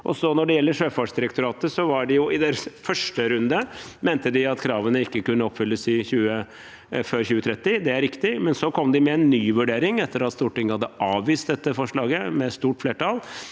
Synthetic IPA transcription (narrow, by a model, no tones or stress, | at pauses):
ʔɔ̰sɔnɔɖɛjɛlːəʂøːfɑʂd̪ɪɾəkt̪ʊɾɑːt̪əsɔʋɑɖɪjʊʔɪd̪eːɾəsfœʂʈəɾʉnd̪əmeːnt̪əd̪ɪɑt̪kʰɾɑːʋənəɪkːəkʉnːəɔpːfʏlːəsɪçʉːə | føːɾçʉːət̪ʰɾɛt̪ːɪd̪ɛæɾɪkt̪ɪmɛnsɔkʰɔmːd̪ɪmɛɛnːyːʋʉɖeːɾɪŋɛt̪ːəɾɑt̪st̪uːʈɪŋːəhɑd̪ːəʔɑːʋʋiːst̪d̪ɛt̪ːəfɔʂɭɑːɡəmɛst̪uːʈfleːʈɑl